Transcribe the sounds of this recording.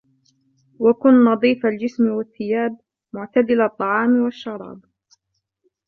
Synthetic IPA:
wakʊnnɑd̪ˤiːfald͡ʒɪsmɪwaθːɪjaːb̚ | mʊʕt̪ad̪ɪlt̪ˤːɑʕɑːmwaʃːɑɾˤɑ̰ːb

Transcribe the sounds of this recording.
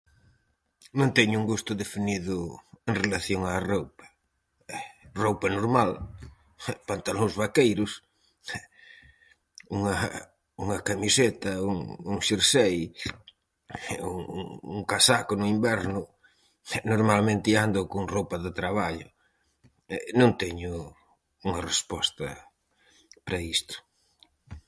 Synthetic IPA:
mõnt̪ɛɲʊuŋɡust̪ʊðefiniðʊeŋrelaθjoŋaːrowpɐ̥ | rowpɐnoɾmal | pant̪alozβakejɾʊs | uŋɐ | uŋɐkamiset̪ɐuŋuŋʃiɾsej | uuŋkasakʊnʊimbɛɾnʊ | noɾmalmẽnt̪iand̪ʊkʊŋrowpɐðɪt̪ɾaβaʎʊ | ɛnõnt̪ɛɲʊ | uŋɐrespɔst̪ɐ | pɾɐist̪ʊ̥

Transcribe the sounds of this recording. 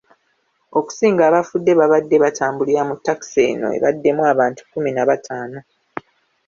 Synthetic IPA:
o̞ku̥siːŋɡaːβafudːe̞βaβadːe̞βataːmbuliɾamutːaki̥se̞̰ːno̞̰e̞̰βadːe̞mwaβaːntu̥kuminaβatʰaːno̞

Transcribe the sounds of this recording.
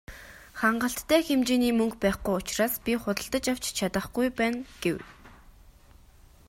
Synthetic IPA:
χaɴɢə̆ɬt̪ːæːxemt͡ɕeːniːmɵŋkpæːχɡujʊt͡ɕraːspʲiχʊt̪ə̆ɬt̪ə̆t͡ɕaw̥t͡ɕt͡ɕʰat̪ə̆χɡujpæːnɡ̥ew

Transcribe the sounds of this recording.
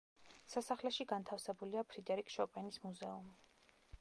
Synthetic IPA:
sasaχlɛʃiɡant̪ʰafsɛbuliapʰɾid̪ɛɾikʰʃɔpʼɛnismuzɛumi

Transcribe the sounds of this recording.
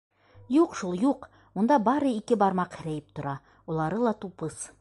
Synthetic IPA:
juqʃulˠjuq | mund̪ɑbɑɾɤikɘbɑɾmɑqhɘ̆ɾæjɘp̚t̪ŏɾɑ | ulˠɑɾɤlˠɑt̪upɤs

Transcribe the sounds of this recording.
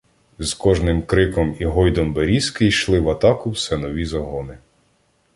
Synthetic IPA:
z̥kɔʒnɪmkɾɪkɔmiɦɔjd̪ɔmbeɾʲisʲkɪjʃlˠɪʋɐt̪ɑkʊwsɛnɔʋʲizɐɦɔnɪ

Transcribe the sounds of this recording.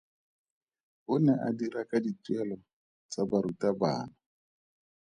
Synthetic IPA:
ʊnɛʔadirakʼaditwɛlɔ | t͡sabaɾutaba̰ːna

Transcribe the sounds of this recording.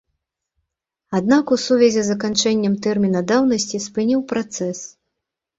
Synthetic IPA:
ad̪nakusuvʲɛzʲɛzɐkant͡ʂɛnʲːɐmt̪ɛrmʲinɐd̪awnɐsʲt͡sʲispɨnʲiwpɾat̪sɛs

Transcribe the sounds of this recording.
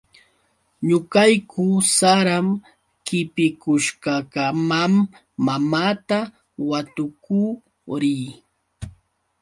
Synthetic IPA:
ɲʊkajkʰʊsaɾam | kɪpɪkʊʃkakamamː | amaːt̪a | wat̪ʊkuː | ɾiː

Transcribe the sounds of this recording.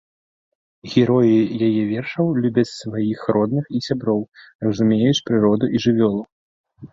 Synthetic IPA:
ɣʲɛɾɔjijajɛvʲɛrʂɐwlʲubʲɐt͡sʲsvajixɾɔd̪nɨxisʲabɾɔw | rɐzumʲejut͡sʲpɾɨɾɔd̪uʔiʐɨvʲɔlˠu

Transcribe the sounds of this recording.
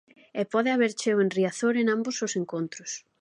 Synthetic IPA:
ɛpɔðɪaβeɾt͡ʃeʊenriaθoɾenãmbosʊseŋkont̪ɾʊs

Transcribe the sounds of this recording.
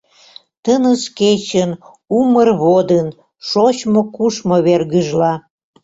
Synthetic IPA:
t̪ənəsket͡ɕən | umərβod̪ən | ʃot͡ɕmokuʃmoβerɣəʒlɑ

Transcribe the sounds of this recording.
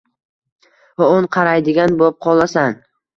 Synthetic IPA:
vaonqʰɑɾajd̪ɪɡʲanbop̚qʰɒlˠasaŋ

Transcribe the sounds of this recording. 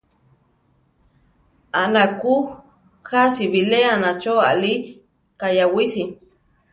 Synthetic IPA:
anaku | xasiβileanat͡ʃoa̰li | kajawisi

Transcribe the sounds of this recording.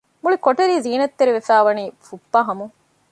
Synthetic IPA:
muɭikoʈɐɾiːziːnɐt̪ːeɾiʋefæːʋɐniːfupːɐːɦɐmu

